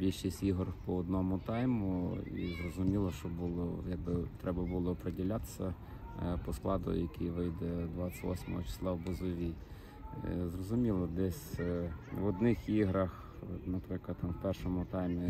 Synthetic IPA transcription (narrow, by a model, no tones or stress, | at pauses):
bʲilʲʃisʲtʲiɦɔrpɔɔd̪nɔmʊt̪ɑjmʊḭzrɔzʊmʲilˠɔʃt͡ʃɔbulˠɔjɐɡ̚bɪt̪ɾɛbɐbulˠɔːpɾedʲilʲat̪e̥sʲɐ | pɔsklˠɑd̪ʊ̰j̰jɐkʲijʋɪjd̪ɛd̪ʋɑt͡sʲːɐ̥tʲʋɔ̰sʲmɔ̰ɦɔt͡ʃɪ̥slˠɑwbʊzɔʋʲi | zrɔzʊmʲilˠɔd̪ɛsʲ | ʋɔd̪nɪxiɦɾɐx | nɐpɾɪklˠɐwpɛrʃɔmʊt̪ɑjmʲi